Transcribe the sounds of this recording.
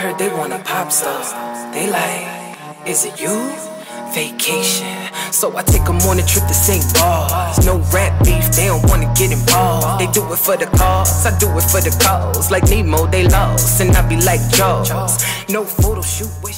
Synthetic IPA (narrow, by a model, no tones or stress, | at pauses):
hɜ˞d̪̚ðeɪwɑ̃nəpʰɑpsʌðeɪlaɪk | ɪzɨtjə | veɪkʰeɪʃɨ̃nsoʊaɪtʰeɪkəmɔɹnɨ̃ntʰɹ̥ɪp̚ðɨsẽɪ̃mbɑznoʊɹæt̚b̥ifðeɪɾõʊ̃nʔwɑ̃nɨɡɛɾɨ̃mbɔðeɪdɨwɪtfə˞ðɨkʰɑɹzaɪdɨwɪtfə˞ðɨkʰʌzlaɪk̚nimoʊðeɪlʌvzɨ̃naɪbilaɪk̚d̥ʒ̥ʌz̥noʊfoʊɾoʃut̚w